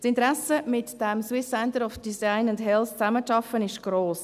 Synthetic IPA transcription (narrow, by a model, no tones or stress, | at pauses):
sɪntɾæsəmɪtd̥ɛmswɪsːɛntəɾɔfd̥isaɪnʊndɦɛlst͡sæməʃɑfənɪʃɡ̥ɾoːs